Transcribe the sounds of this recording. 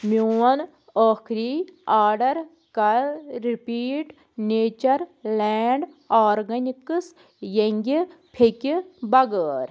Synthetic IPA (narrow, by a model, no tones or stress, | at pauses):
muːɐn | oːkʰɾiːaːɖɐɾ | kɐlɾipiːʈ | neːt͡ʃɐɾleːɳɖ | aːɾɡɐnikɨs | jɐŋɡʲipʰekibɐɡəːɾ